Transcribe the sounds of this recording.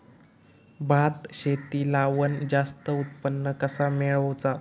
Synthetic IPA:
bʱat̪ɕet̪iːlaʋənd͡zast̪əut̪̚pənːəkəsameɭəwt͡sa

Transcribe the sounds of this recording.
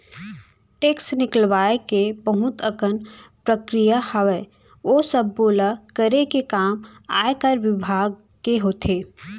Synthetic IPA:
ʈeːksnɪkəlʋaːekebəɦʊt̪əkənpɾəkɾijahɐʋə | oːsəbːoːlakəɾekekaːma̰ːekəɾʋɪbʱaːɡ̚ | keɦoːt̪ʰeː

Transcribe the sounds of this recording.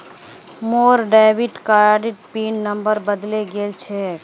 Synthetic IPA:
moːɾɖaɪbiʈkaɾɖiʈ̚pinːəmbəɾbəd̪leɡelt͡ʃʰɛ

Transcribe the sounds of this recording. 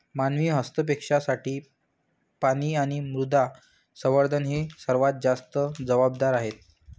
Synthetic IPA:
manʋiːɦəst̪əp̬ekʂasaʈiː | paɽ̃iːaɽ̃imɾud̪ʱa | səʋəɾd̪ʱənɦesəɾʋat̪̚d͡zast̪əd͡zəʋab̚d̪aɾaɦet̪̚

